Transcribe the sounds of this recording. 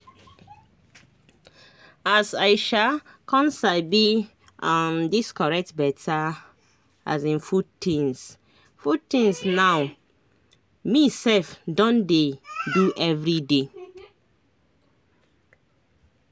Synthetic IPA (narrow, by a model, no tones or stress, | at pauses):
asaɪʃa | kʰɔ̃nsabi | amdiskɔɹɛk̚tbɛtʰa | a̰zĩnfutĩns | futĩnsnaw | misɛlfdɔ̃ndeduʔɛvɹide